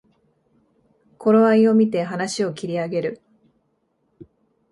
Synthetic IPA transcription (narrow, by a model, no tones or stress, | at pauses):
kʰo̞ɾo̞aio̞mʲit̪e̞ɦanaɕio̞kʲiɾʲiaɡe̞ɾɯ̟